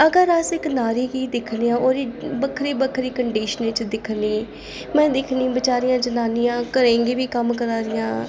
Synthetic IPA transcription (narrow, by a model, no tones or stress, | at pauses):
əɡəɾəsɪknaːɾiːɡiːd̪ɪkʰneãːoːɾiːbəkʰɾiːbəkʰɾiːkəɳɖiːʃəneːt͡ʃd̪ɪkʰniː | mɛ̃ːd̪ɪkʰnĩːbɪt͡ʃaːɾijãːd͡ʒənaːnijãːkəɾẽːŋɡeːbiːkəmkəɾaːɾɪjãː